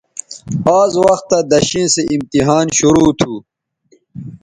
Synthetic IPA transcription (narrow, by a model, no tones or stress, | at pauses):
aːzwɐxt̪ːad̪ɐɕĩːseʔimt̪iɦaːnɕuɾuːt̪ʰuː